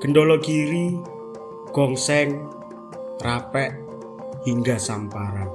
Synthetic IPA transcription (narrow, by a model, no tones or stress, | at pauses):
kənɖolɔkiɾi | ɡ̥ɔŋsɛŋ | rapɛʔ | hiŋɡasampaɾan